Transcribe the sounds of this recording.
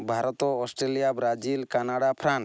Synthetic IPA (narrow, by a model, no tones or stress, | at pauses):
bʱaɾɔt̪ɔɔsʈɾelijabɾad͡ʒilkanaɽapʰɾans